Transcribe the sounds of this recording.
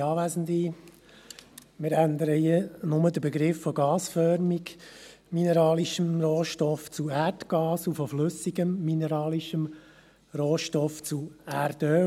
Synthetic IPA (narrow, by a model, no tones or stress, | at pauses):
ɑːʋæːzən̩di | mɪɾænd̪əɾəiənʊməd̪əɾbɛɡɾɪfːɔɡɑːsfœɾmik | minɛɾɑːliʃəmroːʃtɔft͡suæɾtɡ̥ɑːsufɔflʏsiɡəmːinɛɾɑːliʃəm | roːʃtɔft͡suæɾd̥œ